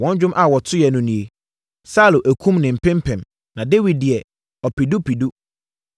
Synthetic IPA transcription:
wɔ̃˦ɲ˦d͡ʑᶣʊ̃˦mʔa˨wɔ˨tʰʊ˦jɛ˨nʊ̃˨nĩ˨e˨ | saː˦lo˨ʔæ˨kʰũ˦mnɪ̃˨m̩˨pʰɪ̃˦mpʰɛ̃˨m | nã˨de˦wi˨d̚dɪ˨ɛ˨ | ɔ˨pi˨du˦pʰi˨du˦

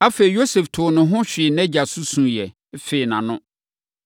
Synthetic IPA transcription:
a˦fe˨i˨jo˦se˨ftʰʊ˨nʊ̃˨ɦʊ̃˦ɕᶣɪ˨ɛ˨nɛ̃˦d͡ʑa˨su˦sũ˨jɛ˨˦ | fe˨i˨nã˨nʊ̃˦

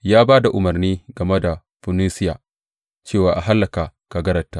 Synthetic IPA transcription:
jaː˦baː˦da˨ʔʊ˨mɐ˨rniː˦ɡɐ˨me˦da˨ | ɸʊ˨niː˦sɪ˦jaː˨ | t͡ʃeː˦˨waː˨ʔa˨ɦa˦lːɐ˨ka˨ka˨ɡɐ˦ɾɐ˨tːaː˦

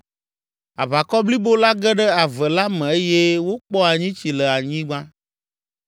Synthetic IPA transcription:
a̰˨βa˨kɔ˦bli˦bo˦la˦ɡɛ˦ɖɛ˦a˨vɛ˨la˦mɛ̃˨e˦jɛ˦wo˦k͡pɔ˦a˨ɲĩ˦t͡ɕi˨lɛ˨a˨ɲĩ˦ɡ͡bã˦

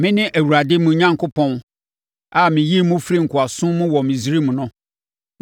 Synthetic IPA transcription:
mɪ̃˦nɪ̃˦ʔæ˨wu˨ɾa˨dɪ˦mũ˨˦ɲã˦ŋkʰʊ˦pʰɔ̃˦n | a˦mɪ̃˨ji˦mʊ̃˦fɾi˦ŋ̩˨kʰʊ˨a˨sʊ̃˦mʊ̃˦wɔ˨mɪ̃˨zi˦ɾi˦mʊ̃˨nʊ̃˦

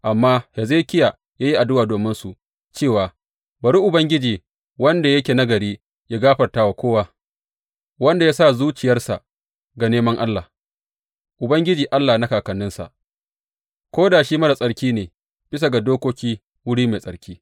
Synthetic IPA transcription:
ʔa˨mːaː˦hɛ˨ze˦kʲɪ˦ja˨ | jaː˦ji˦ʔa˨dʊ˦waː˨doː˨mɪ˦nsu˨ʔ | t͡ʃeː˦˨waː˨ | bɐ˨ɽi˦ʔʊ˨bɐ˦ŋɡʲɪ˦d͡ʒiː˨ | wɐ˦nda˨jɐ˦kʲeː˨na˦ɡɐ˨ɽiː˦ | ja˦ɡaː˦ɸɐ˨rtaː˦wa˨kʷoː˦wa˦ | wɐ˦nda˨ja˦sa˦˨zuː˦t͡ʃɪ˨jɐ˦rsa˨ | ɡa˨neː˦mɐ˦ŋʔa˦lːaː˨ | ʔʊ˨bɐ˦ŋɡʲɪ˦d͡ʒiː˨ʔa˦lːa˨na˦kaː˨kɐ˨nːɪ˦nsa̰˨ʔ | kʷoː˦daː˨ʃiː˦mɐ˦da˨sʼɐ˦ɽkʲiː˦neː˨ | b̥ɪ˦sa˨ɡa˨doː˦kʷoː˦kʲiː˦ | wʊ˦ɽiː˦me˨sʼɐ˨˦ɾkʲʰiː˦

